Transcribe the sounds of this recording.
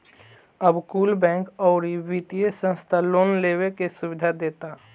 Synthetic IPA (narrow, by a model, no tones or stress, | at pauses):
əbkuːlbɛ̃ːŋkɔːɾibit̪ijesə̃nst̪ʰaloːnleːwekesʊwɪd̪ʱad̪eːt̪a